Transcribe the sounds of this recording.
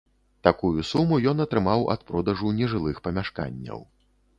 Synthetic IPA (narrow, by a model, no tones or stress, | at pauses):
t̪akujusumujɔn̪ɐt̪ɾɨmawɐ̰t̪pɾɔd̪ɐʐunʲɛʐɨlˠɨxpɐmʲaʂka̰nʲːɐ̰w